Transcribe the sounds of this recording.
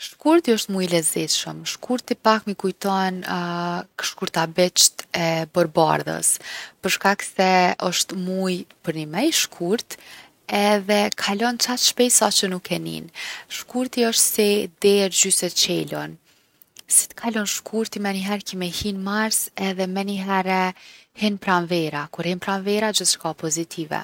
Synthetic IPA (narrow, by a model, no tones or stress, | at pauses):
ʃkuɾt̪iɔʃt̪mujlɛzit̪ʃəmʃkʰuɾt̪ipakmikujt̪ɔn | ʃkuɾt̪abɛt͡ʃt̪ɛbɔɾba̰ɾðə̰spəɾʃkaksɛɔʃt̪mujpəɾnimɛjʃkʰuɾt̪ | ɛðɛkʰalɔnt͡ʃat̪ʃpɛjsat͡ʃənukʰːɛnḭnʃkuɾt̪iɔʃt̪sɛd̪ɛɾd͡ʑysɛt͡ʃɛlɔn | si̥t̪ə̥kʰalɔnʃkʰuɾt̪imɛniɦɛɾkɛmɛhinmaɾsɛðɛmɛniɦɛɾɛhɛnpɾanvɛɾakuɾhɛnpɾanvɛɾad͡ʒəθʃkapɔzit̪ʰivɛ̰